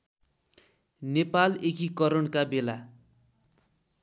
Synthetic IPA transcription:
nepalekikʌɾʌɳkabela

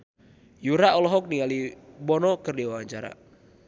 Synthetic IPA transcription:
juɾaɔlɔɦɔk̚nialibɔnɔkɨrdiwaaɲt͡ʃaɾa̰

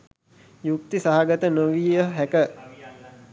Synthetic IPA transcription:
juk̚t̪isaɦaɡət̪ənoʋijjəɦækə

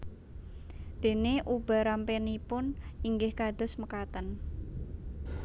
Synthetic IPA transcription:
d̪̥e̤neʔub̥a̤ɾampenipʊniŋɡɪhkad̪̥ʊ̤sməkat̪ən

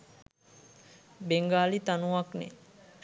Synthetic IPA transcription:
beŋɡaːlit̪anuʋaknḛ

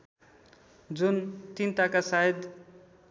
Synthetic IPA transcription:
d͡zunt̪int̪akasaed̪

